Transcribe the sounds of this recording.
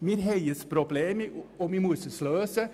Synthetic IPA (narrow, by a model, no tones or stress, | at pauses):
miɾɦɛjəspɾʊbleːmɔmimusəsløːsə